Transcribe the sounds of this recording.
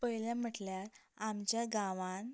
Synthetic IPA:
pəɦjljam̤əʈljaɾamt͡ɕjaɡãʋãn

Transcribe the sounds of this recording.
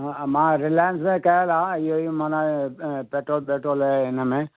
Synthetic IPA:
mãːɾɪlaːjəns̬mẽkɐjəlaːɪɦoimãːnapeːʈɾoːlpeːʈɾoːlɦɛɪnəmẽː

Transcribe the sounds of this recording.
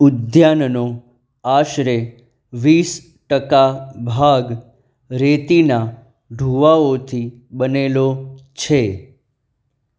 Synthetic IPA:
ʊd̪janno | aʃɾe | ʋis | ʈəkabʱaɡ | ɾet̪ina | ɖʱuʋaot̪ʰi | bənelot͡ʃʰe

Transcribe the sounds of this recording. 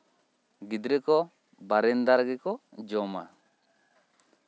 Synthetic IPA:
ɡid̪ɾekɔ | baɾɪnd̪aɾɡikɔd͡ʒɔma̰

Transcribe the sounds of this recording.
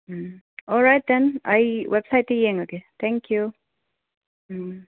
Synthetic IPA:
m̩ | ʔɔlˠɹaɪt̪̚ðɛ̃na̰ɪwɛb̥saɪt̪ɨjiɪ̃ŋokeθæ̃ŋkʰju

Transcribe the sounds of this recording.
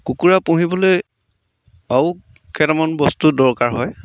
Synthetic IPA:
kukuɹapõɦibɔloj | aw | kʰɛtamɔnbɔstudɔɹkaɹɦɔj

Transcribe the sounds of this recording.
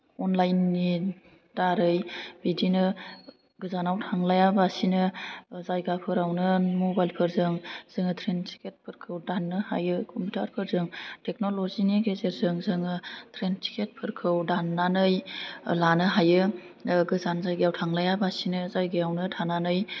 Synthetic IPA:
ɔnlajnːi | d̥aɾɯjbidinɯ | ɡɯzanawtʰaŋlajabasinɯzajɡapʰɯɾawnɯmobajlpʰɯɾzɯŋz̥ɯŋɯtʰɾentʰi̥ket̚pʰɯɾkʰɯwdanːɯha̰jɯkʰɔmpitʰaɾpʰɯɾzɯŋtʰek̚noloziniɡezeɾzɯŋzɯŋɯtʰɾentʰi̥kʰet̚pʰɯɾkʰɯwdanːanɯjlanɯɦajɯ | ɡɯzanzajɡajawtʰaŋlajabasinɯzajɡɯjawnɯtʰananɯj

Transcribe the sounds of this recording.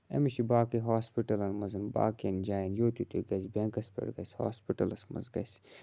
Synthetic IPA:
ɐ̰miʃibaːkiɦaːspiʈɐlɐnmɐzɐnba̰ːkend͡ʒaːjɐnjoːt̪ut̪ṵɡɐsbeŋkɐspḛɽɡɐsho̰ːspiʈɐlɐsmɐ̰zɡɐ̰s

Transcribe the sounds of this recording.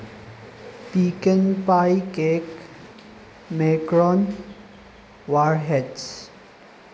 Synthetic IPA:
piːkənpajkeːk | meːkɾɔːn | ʋaɾɦeɖs

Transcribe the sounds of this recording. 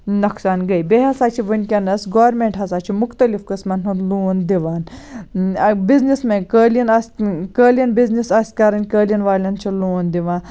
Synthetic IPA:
nɐksaːnɡɐjbeɦɐsaːt͡ʃʰiʋɐnʲkʲɐnɐsɡoːʋɾmeɳʈɦɐsaːt͡ʃʰimʊkt̪ɐlifkɐsmɐnɦunluːnd̪iʋaːn | biznismẽkəːljɐnɐsʲkəːlʲjɐnbiznisɐsʲt̪ʲkɐɾɐnkəːlʲjɐnʋaːlʲɐnt͡ʃʰiloːnd̪iʋãːn

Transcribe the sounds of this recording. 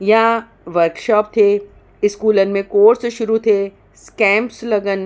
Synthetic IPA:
jã | ʋəɾkʃɔːpt̪ʰe | ɪskuːlən̆mẽkoːɾsʃʊɾut̪ʰe | skɛ̃ːmpslɐɡən

